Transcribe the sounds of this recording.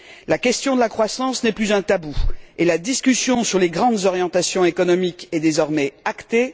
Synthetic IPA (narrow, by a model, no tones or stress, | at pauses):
lakʲɛst̪jɔ̃d̪əlakχwasɑ̃snɛplyzɛ̃t̪abuelad̪iskʲysjɔ̃syʁleɡʁɑ̃d̪zɔʁjɑ̃t̪asjɔ̃ekɔnɔmikɛd̪ezɔʁmɛakt̪e